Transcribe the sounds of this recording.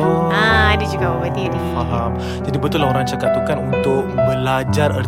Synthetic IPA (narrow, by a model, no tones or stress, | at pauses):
aadɛd͡ʒuɡababat̪iadifaɦam | d͡ʒadibət̪ʊlaoɾaŋt͡ʃakat̪ukanunt̪ʊk̚məlad͡ʒarər